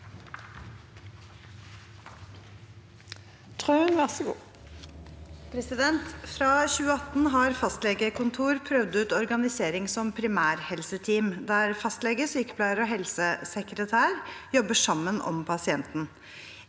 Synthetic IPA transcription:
t̪ʰʁʉːənʋæʁsəɡṵː | pʰɾɛsɪd̪ɛnt̪fɾɑːçʉːəɑt̪n̩ɦɑɾfɑst̪lɛɡəkʰʊnt̪ʰuːɾpʰɾœʋd̪ʉːt̪ɔɾɡɑnɪseːɾɪŋsɔmpʰɾɪmæːɾhɛlsət̪ʰiːmd̪æɾfɑst̪lɛɡəsyːkə̥pʰlæɪəɾɔːɦɛlsəsɛkɾət̪ʰæːɾjɔbəʂɑmːənʔɔ̰mpʰɑsɪɛnt̪n̩

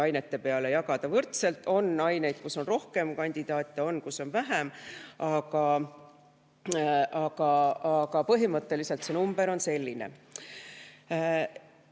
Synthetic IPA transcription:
ɑjne̞t̪ːe̞pe̞ɑlejɑɡ̥ɑd̪̥ɑvɤrt̪se̞lt̪ːˑo̞nːɑjne̞jd̪̥̚kusːo̞nro̞hke̞mkɑnʲd̪̥id̪̥ɑːt̪ʲːˑeo̞nːkuso̞nvæɦæmɑɡɑ | ɑɡ̥ɑɑɡɑpɤɦimɤt̪ːe̞lise̞lt̪senumb̥e̞ɾo̞nse̞lʲːine̞̰

